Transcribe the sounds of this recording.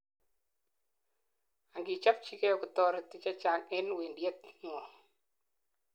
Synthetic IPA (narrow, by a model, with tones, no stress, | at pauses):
a˨ŋɡi˨t͡ʃa˦p̚t͡ʃi˦ke˦ɔ˨kʊ˨t̪ɔ˦ɾa˨t̪ɪ˨t͡ʃa˦t͡ʃa˨ŋɛ˦nwi˨ndje˦t̪̚ŋɔ˨